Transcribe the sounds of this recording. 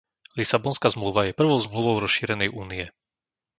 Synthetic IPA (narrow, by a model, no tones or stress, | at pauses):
lisabɔnskazmluʋajɛpr̩ʋɔʊzmluʋɔʊɾɔsʃiːɾɛnɛjʔuːnijɛ